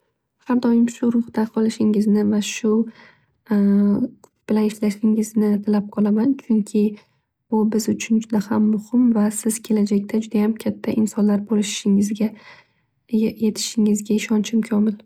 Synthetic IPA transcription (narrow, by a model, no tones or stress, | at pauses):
haɾd̪ɒjɪmʃʊɾʊhd̪aqʰɒlˠɪʃɪŋɪznɪvaʃʊ | b̥ɪlanɪʃlaʃɪŋɪznɪt̪ʰalap̚qʰɒlˠamant͡ʃʰʊŋkʲʰɪ | b̥ʊbɪzʊt͡ʃʰʊnd͡ʒʊd̪ahamːʊhɪmvasɪz̥kʲʰe̞lad͡ʒakʲt̪ʰad͡ʒʊd̪ajamkʲʰat̪ʰːaʔɪnsɒnlaɾbolɪʃɪ̥ʃɪŋɪzɡʲa | je̞t̪ʰɪ̥ʃɪŋɪzɡʲaɪʃɒnt͡ʃʰɪmkʲʰɒmɪl